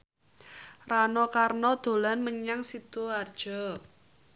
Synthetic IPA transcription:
ranɔkarnɔd̪̥o̤lanməɲaŋsid̪̥oard̥ʒ̥ɔ̤

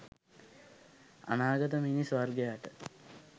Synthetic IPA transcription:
a̰naːɡət̪əminisʋarɡejaʈə

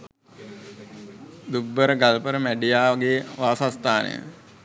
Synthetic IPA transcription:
d̪ubːəɾəɡalpəɾəmæɖijaːʋɡeʋaːsast̪aːnə̰jə̰

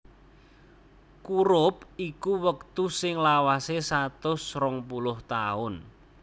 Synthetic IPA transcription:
kuɾʊp̚ikuwək̚t̪usɪŋlawasesat̪ʊsrɔŋpulʊht̪aʊn

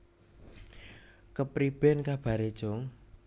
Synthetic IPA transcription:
kəpɾib̥ɛnkab̥a̤ɾed̥ʒ̥oŋ

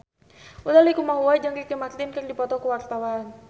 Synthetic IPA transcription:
udalikumaɦuaid͡ʒaŋkikemat̪linkəŋdipɔt̪ɔkuwart̪awaːn

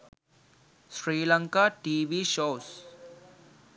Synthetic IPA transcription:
sɾiːlə̃ŋkaːʈiːʋiːʃoːs

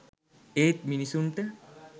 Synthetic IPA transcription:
eːt̪̚minisuɳʈə

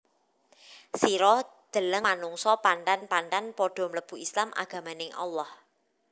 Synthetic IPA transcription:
siɾɔd̪̥ə̤ləŋmanuŋsɔpant̪anpant̪anpɔɖ̥ɔ̤mələb̥ṳislamʔa̰ɡ̥a̤manɪŋʔɑ̰lːɔh

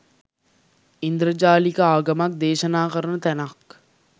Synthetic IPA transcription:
ind̪ɾəd͡ʒaːlikəaːɡɐmak̚d̪eːʃənaːkəɾənət̪ɛnak

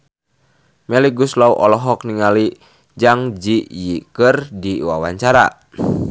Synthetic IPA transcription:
mɛliɡuslauʔɔlɔɦɔk̚niŋali | d͡ʒaŋd͡ʒijikɨrdiwa̰waɲt͡ʃaɾa̰

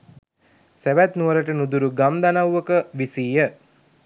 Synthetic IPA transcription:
seʋæt̪nuʋəɾəʈənud̪uɾuɡamd̪anawʋəkəʋisiːjə

